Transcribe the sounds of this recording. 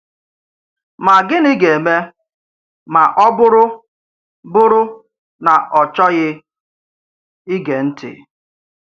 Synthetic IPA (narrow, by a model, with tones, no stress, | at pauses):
ma˨ɡɪ˦nɪ˦ɡe˨me˦ | ma˨ʔɔ˦bʊ˦ɾʊ˦ | bʊ˦ɾʊ˦ | na˨ʔɔ˨t͡ʃɔ˦ɣɪ˦ | i˦ɡe˨n̩˦tɪ̰˨